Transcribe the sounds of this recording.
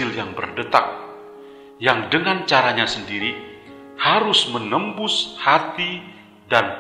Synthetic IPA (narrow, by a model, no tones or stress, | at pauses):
ɪljaŋbə̰rdət̪a̰k̚ | jaŋdəŋant͡ʃaɾaɲasəndiɾi | haɾʊsmənəmbʊshat̪i | dan